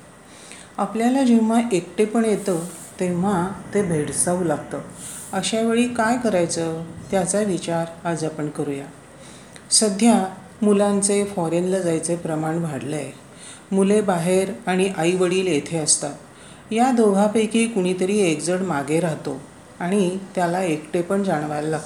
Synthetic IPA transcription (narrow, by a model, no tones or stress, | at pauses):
apljalad͡ʑem̤aʔekʈepəɳjet̪ət̪em̤at̪ebʱeɽsaulaɡ̚t̪əəɕaʋeɭiːkajkəɾajt͡sət̪jat͡saʋit͡ɕaɾad͡zapəɳkəɾuja | səd̪ʱja | mulãnt͡sefɔɾenləd͡zajt͡sepɾəmaɳʋʱaɽlej | mulebaɦeɾaɽ̃iʔaiʋəɽiːljet̪ʰeəst̪a | jad̪oɡʱapəjkiːkuɽ̃it̪əɾiːekd͡zəɽmaɡeɾaɦt̪o | aɽ̃it̪jalaekʈepəɳd͡zaɽ̃ʋajlalaɡ̚t̪